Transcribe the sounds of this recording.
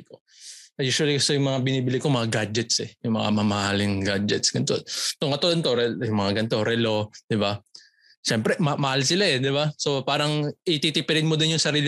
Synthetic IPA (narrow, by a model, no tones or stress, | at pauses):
ko | ʔɐjuːʃwɐlikɐsojʊŋmɐŋabɪniːbɪlɪkomɐŋaɡad͡ʒɛt̪sɛjʊŋmɐ̰ŋa̰mɐmɐhalɪŋɡad͡ʒɛt̪sɡɐnt̪ot̪oŋkɐt̪od̪ɐnt̪oɾɛjʊŋmɐŋaɡɐnt̪o̞ɾɛlo̞d̪̥ɪba | ʃɛmpɾɛmɐmɐhalsɪlaɛd̪ɪbaso̞paːɾɐŋʔit̪it̪ipɛɾɪd̪mod̪ɪnjʊŋsɐɾiːlɪ